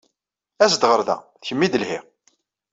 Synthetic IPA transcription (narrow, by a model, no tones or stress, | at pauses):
æsd̪ʁəɾðæ̰θçəmːid̪əlhiʁ